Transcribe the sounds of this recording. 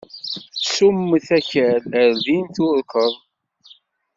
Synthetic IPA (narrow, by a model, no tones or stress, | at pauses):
sumːθækæləɾðint̪ʊɾkəðˤ